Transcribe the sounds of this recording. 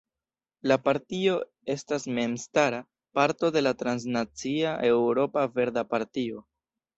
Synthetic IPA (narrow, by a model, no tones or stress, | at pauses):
lapaɾtio̞ | e̞stasme̞mstaɾa | paɾto̞de̞latɾans̬nat͡siaʔe̞wɾo̞pave̞ɾdapaɾtio̞